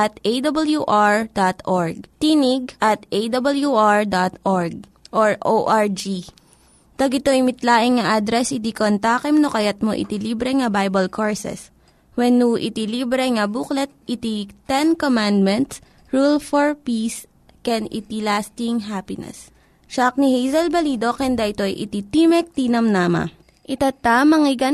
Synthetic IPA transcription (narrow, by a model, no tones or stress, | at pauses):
ʔɐt̪ʔejd̪ɐbɐljuʔaɹd̪at̪ʔoɹɡ̚t̪iniɡ̚ʔɐt̪ʔejd̪ɐbɐljuʔaɹd̪at̪ʔɔɹɡ̚ | ʔoɹʔoʔaɹd͡ʒi | t̪ɐɡɪt̪oɪmɪt̪laːʔɪŋŋɐʔad̪ɾɛsɪt̪ikont̪aːkɛmnokɐjat̪̚mo̰ʔɪ̰t̪iliːbɾɛŋɐbajbɐlkʰoɹsɛ̰s | wɛnːuʔɪ̰t̪iliːbɾɛŋɐbuklɛt̪̚ʔɪt̪it̪ɛnkomand̪mɛnt̪s | ɹulfoɹpis | kɛnɪ̰t̪ilast̪iŋɦapɪnɛ̰s | ʃak̚nihejzɐlbɐliːd̪okɛnd̪ɐʔɪt̪o̞jʔɪ̰t̪it̪imɛk̚t̪iːnɐmnaːmɐ̰ | ʔɪt̪at̪amɐŋɪɡɐ